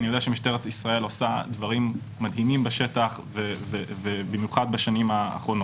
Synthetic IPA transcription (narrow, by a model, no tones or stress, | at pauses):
nijdeaʃemiʃteʁet̪isʁae̞losad̪vaʁimː | adɦimimbeʃe̞t̪aχvevevebimjuχad̪̚baʃanima̰ːχʁo̞no